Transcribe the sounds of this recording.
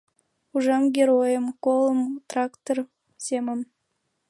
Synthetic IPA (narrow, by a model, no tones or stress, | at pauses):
uʒɑmɡʲeɾojəmkolˠəmt̪rɑkt̪or | seməm